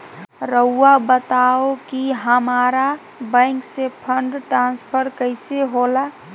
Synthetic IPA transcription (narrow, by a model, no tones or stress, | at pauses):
ɾəːabət̪aokiɦəmaɾa | bə̃ɪŋksepʰəɳɖʈɾãnspʰəɾkəɪseɦola